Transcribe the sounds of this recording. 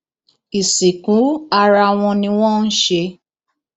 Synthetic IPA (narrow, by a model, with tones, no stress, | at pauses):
i˨si˨kũ˨˦a˧ɾa˧w̃ɔ̃˧nĩ˧w̃ɔ̃˦˨n̩˦ʃe˧